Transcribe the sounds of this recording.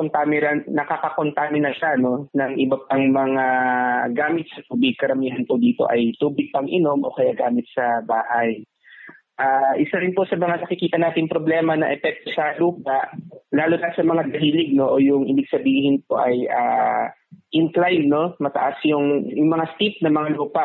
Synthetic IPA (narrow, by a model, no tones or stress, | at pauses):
kont̪amɪɾɐnːɐkakɐko̞nt̪amɪnɐʃano̞nɐŋʔɪbɐp̚ɐŋmɐŋaɡaːmɪt̪̚sɐt̪uːbɪɡ̚kɐɾɐmiːɦɐnpʊd̪iːt̪o̞̰ʔɐjt̪uːbɪɡ̚pɐŋʔɪno̞mʔo̞̰kɐjaɡaːmɪt̪̚sɐbaːhaj | ʔaːʔɪsaɾɪnpo̞sɐmɐŋanɐkɪkiːt̪ɐnaːt̪ɪŋpɾo̞blɛːmɐnɐ̰ʔɛpɛk̚t̪osɐluːp̚aʔlaːlʊnɐsɐmɐŋad̪ɐɦiːlɪɡ̚no̞ʔojʊŋɪbɪɡ̚sɐbiːhɪnpoʔɐjʔa̰ː | ʔɪnklajmno̞mɐt̪ɐ̰ʔasjʊŋjʊŋmɐŋast̪ip̚nɐmɐŋaluːpaʔ